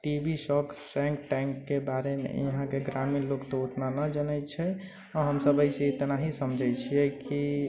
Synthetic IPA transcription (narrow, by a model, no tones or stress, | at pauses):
ʈibʱisɔksɛ̃ŋkʈɛ̃ŋkːebaɾemḛjəɦãkeɡɾaminlokt̪oot̪nanəd͡ʒənɛjt͡ʃʰɛ | ɔɦəmsəbəɪset̪naɦisəmd͡ʒʱəjt͡ʃʰijɛki